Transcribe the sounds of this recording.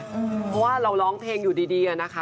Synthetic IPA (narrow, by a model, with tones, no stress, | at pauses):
pʰɔ˦˥waː˥˩ɾa˧wlɔː˦˥ŋp̪ʰeː˧ŋjuː˨˩diː˧diː˧ʔa˨˩na˦˥kʰa˦˥